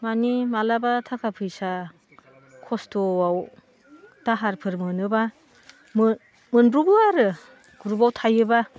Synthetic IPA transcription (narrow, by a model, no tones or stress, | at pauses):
manimalabatʰakʰapʰɯjsa | kʰɔstowaw | taɦaɾpʰɯɾmɯnɯba | m | mɯnbɾuɡuaɾɯ | ɡ̥uɾubawtʰajɯba